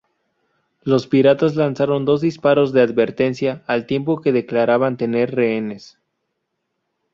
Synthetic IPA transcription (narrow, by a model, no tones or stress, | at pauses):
lo̞spiɾat̪azlansaɾo̞nd̪o̞zd̪ispaɾo̞zðe̞aðβe̞ɾt̪e̞nsjaːlt̪je̞mp̬o̞ke̞ðe̞klaɾaβant̪e̞ne̞ɾreene̞s